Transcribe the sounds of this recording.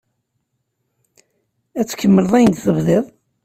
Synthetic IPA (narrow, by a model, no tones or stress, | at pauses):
æt͡sːkːəmːələðˤæjənd̪θəvðɪðˤ